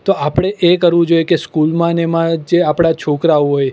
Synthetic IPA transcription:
t̪oapɽ̃eʔekəɾʋũd͡ʒojekeskulmãnemãd͡ʒeapɽ̃at͡ʃʰokɾaũɦoj

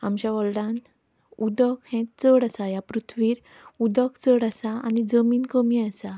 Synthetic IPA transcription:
amd͡ʑjaʋɔɭɽãn | ud̪əkhɛ̃t̪̚t͡səɽasajapɾut̪ʰʋiːɾ | ud̪əkt͡səɽasaa̰nid͡zəmiːnkəmiasa

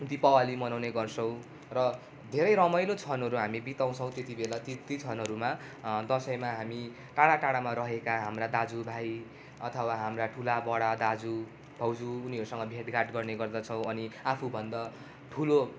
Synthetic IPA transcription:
t̪ipʌwalimʌnawneɡʌrt͡sʰʌw̃ | rʌ | d̪ʱeɾʌjɾʌmʌjlot͡sʰʌnʌɾuɦamibit̪aw̃t͡sʰʌw̃t̪et̪ibelat̪it̪it͡sʰʌnʌɾuma | d̪ʌsʌjmaɦami | ʈaɽaʈaɽamaɾʌɦekaɦamrad̪ad͡zubʱaj | ʌt̪ʰʌwaɦamraʈʰulabʌɽad̪ad͡zu | bʱʌwd͡zuːniʌɾusʌŋɡʌbʱeʈɡaʈɡʌrneɡʌrd̪ʌt͡sʰʌ̃w̃ʌniapʰubʱʌnd̪ʌ | ʈʰulo

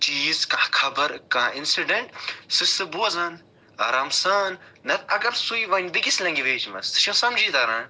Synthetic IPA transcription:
t͡ʃiːzkakʰɐbɐɾkãːinsiɖeɳʈsɨsɨbuɐzaːn | ɐɾamsaːnːɐt̪ɐɡɐɾsujʋɐnbiɡislɐ̃ŋɡiʋeːt͡ʃmɐ̰st̪ɨ̥ʃɐ̃sɐmd͡ʒiːd̪ɐɾa̰ːn

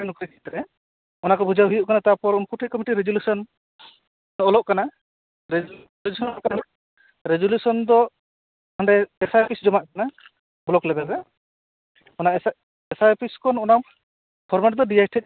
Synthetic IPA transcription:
ɛnukɾikʰit̪ɾɛ | ɔnakɔbʱud͡ʒawɦujuʔkanat̪aɾpɔɾunkuʈʰikɔmiʈiɾed͡ʒɔlusɔn | ɔlɔʔkana | ɾe | d͡ʒusɔnɔakan | ɾed͡ʒɔlusɔnd̪ɔ | hɔɳɖɛɛsajpʰisd͡ʒɔmaʔkana | blɔklɛb̪ɛɡɛ | ɔna | ɛsajpʰiskɔnɔnam | pʰɔɾmaʈ̚d̪ɔɖiajʈʰɛc̚

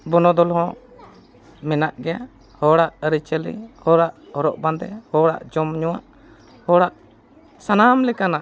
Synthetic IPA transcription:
bɔnɔd̪ɔlɦɔ̃ | mɛnaʔɡɛja | hɔɽaʔəɾit͡ʃəlḭhɔɽaʔhɔɾɔʔband̪ɛ̰hɔɽa̰ʔd͡ʒɔmɲɔwa̰ʔ | hɔɽaʔ | sanamlɛkanaʔ

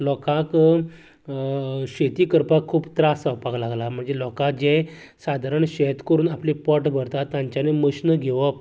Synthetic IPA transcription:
lɔkãk | ɕet̪iːkəɾpakʰːuːbt̪ɾasapaɡlaɡlam̤əɳd͡zelɔkãk̚d͡ʑɛ̃ | sad̪ʱaɾəɳɕet̪kəɾuːnaplipɔʈbʱəɾt̪at̪ːãɲt͡ɕaneməɕnəɡʱeʋəp

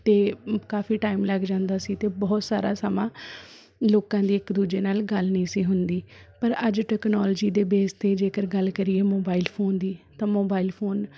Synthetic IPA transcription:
t̪eːkaːfiːʈaːimləɡd͡ʒãːnd̪aːsiːt̪eːbɔːt̪sa̰ːɾa̰ːsəmãː | loːkãːd̪iːɪkd̪uːd͡ʒeːnaːlɡəlnəĩːsiːɦʊnd̪iːpəɾəd͡ʒʈɛːknɔːld͡ʒiːd̪eːbeːst̪eːd͡ʒeːkəɾɡəlkəɾieːmoːbaːilpʰoːnd̪iːt̪ãːmoːbaːilpʰoːn

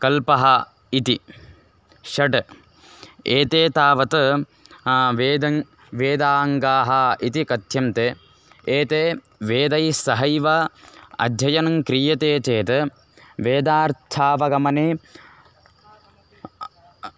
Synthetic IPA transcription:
kɐlpɐɦɐ | it̪i | ʃɐʈ | eːt̪eːt̪aːʋɐt̪ | ʋeːd̪ɐ | ʋeːd̪aːŋɡaːɦɐit̪ikɐt̪jɐmt̪e | eːt̪eː | ʋeːd̪ɐjsɐɦɐjʋɐɐ̰d̪ʱjɐjɐnɐŋkɾiːjɐt̪eːt͡ʃeːt̪ɨ | ʋeːd̪aːɾt̪ʰaːʋɐɡɐmɐneː

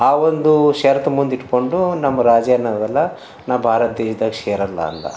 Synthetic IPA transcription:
aːʋond̪uʃɐːɾɐt̪ɐmund̪iʈko̞ɳɖunɐmːɐɾaːd͡ʒjanːɐd̪ɐlːɐ | naːʋbʱaːɾɐt̪̚d̪eːʃɐd̪ɐːɡʃeːɾɐlːɐ̰ːnd̪ɐ̰

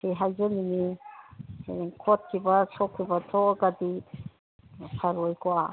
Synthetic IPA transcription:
eɦajzanini | kʰɔt̚kʰibatʰɔkʰːibatʰɔɡadi | pʰaɾɔjkʰoa

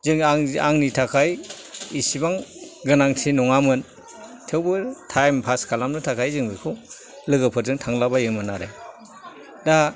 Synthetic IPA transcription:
zɯŋaŋaŋnitʰakʰaj | isibaŋɡɯnaŋtʰinɔŋamɯn | tʰɯwbɯtʰajmpʰaskʰalamnɯtʰakʰajzɯŋbikʰɯ | lɯɡɯpʰɯɾzɯŋtʰaŋlabajɯŋmɯnaɾej | da

